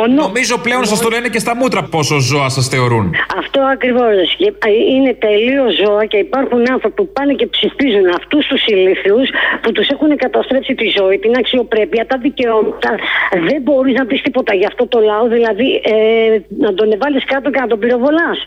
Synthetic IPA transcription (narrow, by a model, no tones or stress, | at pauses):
onnomizo̞ple̞o̞nsɐst̪olenecest̪ɐmut̪ɾɐpo̞sozo̞ɐsɐsθe̞o̞ɾunɐft̪o̞ɐkɾivo̞sssceine̞t̪e̞lio̞zo̞ɐce̞ipɐɾxunɐnθɾo̞pipɐnece̞psiftizunɐft̪ust̪usiliθusput̪use̞xunekɐt̪ɐst̪ɾe̞psit̪izo̞it̪inɐksio̞pɾe̞piɐt̪ɐðice̞omɐt̪ɐðe̞mbo̞ɾiznɐpist̪ipo̞t̪ɐʝɐft̪o̞t̪o̞lɐoðilɐðiʔ | nɐd̪o̞ne̞vɐliskɐt̪ocenɐt̪o̞biɾo̞vo̞lɐs